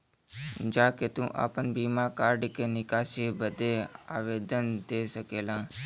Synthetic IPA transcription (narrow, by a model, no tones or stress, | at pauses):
d͡ʒaːket̪ũʔa̰ːpənbiːmaːkaːɾɖkenɪkaːsebəd̪eːa̰ːʋeːd̪ənd̪eːsəkeːlãː